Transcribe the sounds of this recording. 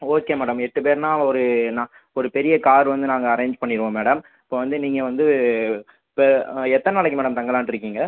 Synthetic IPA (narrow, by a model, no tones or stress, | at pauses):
oːkːeːmeːɽɐmɛʈːɯpeːɾnãːɔɾɯnaː | ɔɾɯpɛɾɪjɐkaːɾʋɐnd̪ɯnaːŋɡɐːɾẽːɲd͡ʒpɐɳːɪɾɯʋõːmeːɽɐm | ɪpːoːʋɐnd̪ɯniːŋɡɐʋɐnd̪ɯ | pɛt̪ːɐnnɐɭɐkːɯmeːɽɐmt̪ɐŋɡɐlaːnʈɪɾɯkːiːŋɡɐ